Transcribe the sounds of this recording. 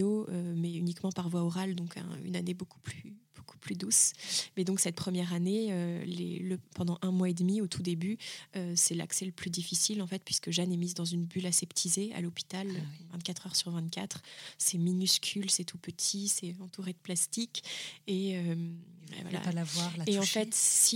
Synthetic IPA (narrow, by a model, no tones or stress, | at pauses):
oømɛynikmɑ̃paʁvwaɔʁald̪ɔ̃kɛ̰̃y̰nanebokʰu̥plyyb̥okʰu̥plyd̪usmɛd̪ɔ̃ksɛt̪̚pχəmjɛʁaneølḛləpɑ̃d̪ɑ̃ʔɛ̃mwaed̪miot̪ʰud̪ebyøsɛla̰ksɛləplyd̪ifisilɑ̃fɛt̪̚pɥiskəʒanɛmizd̪ɑ̃zynbylasɛpt̪ʰizea̰lɔpi̥t̪aløvɛ̃t̪̚kat̪χœʁsyʁvɛ̃t̪kʲat̪χsɛminyskʲʰylsɛt̪ʰupət̪ʰisɛɑ̃t̪uʁed̪əplast̪ikʲeøm̰vwa̰la̰alavwaʁeɑ̃fɛt̪si